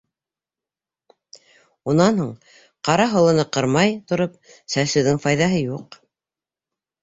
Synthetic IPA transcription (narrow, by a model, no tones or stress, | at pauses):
unɑnhuɴ | qɑɾɑɦŏlˠɤ̆nɤqɤ̆ɾmɑjt̪ŏɾɤp̚ | sæsɘ̆wðɘŋfɑjðɑɦɤjuq